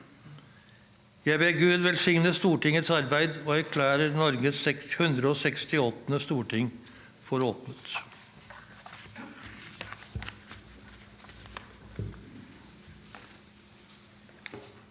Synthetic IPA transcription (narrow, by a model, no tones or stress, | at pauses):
jæɪbeːɡʉːd̪ʋɛlsɪŋnəst̪uːʈɪŋət̪sɑɾbæɪd̪oːæɾkʰlæːɾəɾnɔɾɡəsɛkhʉnd̪ɾəoːsɛkst̪ɪɔt̪nəst̪uːʈʰɪŋ | fɔɾoːt̪nət̪